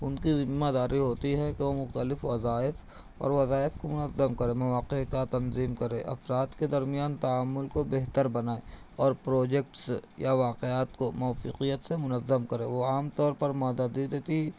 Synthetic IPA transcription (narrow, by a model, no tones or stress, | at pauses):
ʊnkizɪmːad̪aːɾiɦoːt̪iɦɛ̃keʋomʊxt̪əlɪfʋɐzaːɪf | ɔ̰ːɾʋɐzaːɪfkomʊnəzːəmkɐɾẽːmɐʋaːqekat̪ɐnziːmkɐɾẽːʔɐ̰fɾaːt̪ked̪ɐɾmijaːnt̪ɐaːmːʊlkobeɦt̪əɾbɐnaːeɔːɾpɾoːd͡ʒek̚ʈsjaʋaːqeaːt̪komɔːfḭːqijət̪semʊnəzːəmkɐɾẽːʋoaːmt̪ɔːɾpɐɾmaːd̪ad̪id̪eːt̪i